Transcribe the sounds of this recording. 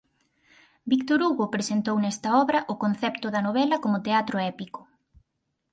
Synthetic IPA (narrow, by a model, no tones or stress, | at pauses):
bikt̪oɾuɣopɾesent̪ownɛst̪ɐɔβɾɐʔʊkon̟θɛpt̪ʊðɐnoβɛlɐkomʊt̪eat̪ɾoɛpikʊ̥